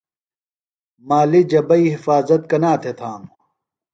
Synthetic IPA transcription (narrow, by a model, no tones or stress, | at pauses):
maːlid͡ʑɐbɐiːhifaːzɐt̪̚kɐnaːt̪ʰet̪ʰaːm